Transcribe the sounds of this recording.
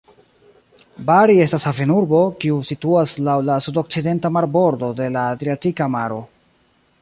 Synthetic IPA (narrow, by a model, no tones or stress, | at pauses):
baɾie̞stashavenuɾbo̞kiusituaslawlasudo̞k̚t͡side̞ntamaɾbo̞ɾdo̞de̞laːdɾiatikamaɾo̞